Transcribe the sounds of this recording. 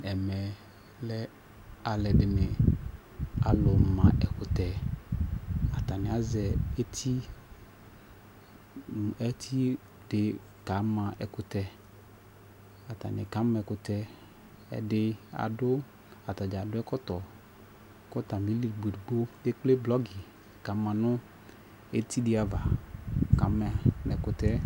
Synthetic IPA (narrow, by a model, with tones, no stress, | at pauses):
ɛ˨mɛ˨ | lɛ˦ | a˨lɛ˨ɖɪ˨me˨ | a̰˨lʊ˨mã˨ʔɛ˨kʊ˨t̪ɛ˨ | a˨t̪a˨nɪ̃˨˦a˨˦zɛ˨e˦t̪ʰi˦ | ɛ˦t̪ʰi˦ | ɖ̥ɪ˨ | ka˨˦mã˨ʔɛ̰˨kʊ˨t̪ɛ˨ | a˨t̪a̰˨nɪ̰̃˨ka˨˦mɛ˨kʊ˨t̪ɛ˦ | ɛ̰˨ɖɪ˦a̰˨dʊ˦ | a˨t̪a˨d͡ʒa˨dʊ˦ɛ˦kɔ˦t̪ɔ˨ | kɔ˦t̪a˨mĩ˨˦li˨ɡ͡be˨du˨ɡ͡bo˦de˦k͡ple˦blɔ˦ɡi˨ | ka˨˦mã˨nʊ̃˦ | e˦t̪ʰi˦dɪ˨˦a˨va˨ka˨˦mɛ̃˨mɛ˨kʊ˨t̪ɛ˦